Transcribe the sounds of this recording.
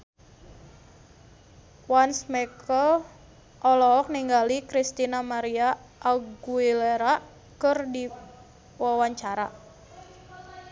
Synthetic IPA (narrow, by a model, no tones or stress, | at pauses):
wansmɛkəl | ʔɔlɔɔk̚niŋɡalikɾist̪inamaɾia | ʔːɡuileɾa | kɨrdi | wawaɲt͡ʃaɾa